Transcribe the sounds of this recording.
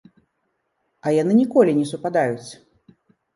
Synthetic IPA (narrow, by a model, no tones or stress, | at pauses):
ɐjanɨnʲikɔlʲinʲɛsupad̪ajut͡sʲ